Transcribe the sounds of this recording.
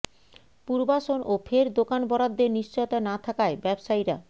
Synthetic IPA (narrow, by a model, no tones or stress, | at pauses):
puɾbaʃonʔofʰeɾd̪okanbɔɾad̪ːeɾniʃt͡ɕojot̪anat̪ʰakaebɛbʃajɾa